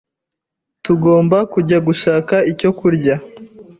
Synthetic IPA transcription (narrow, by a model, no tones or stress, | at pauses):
tuɡo̞ːmbakuɟaɡuʃaːkaico̞kuɾɟa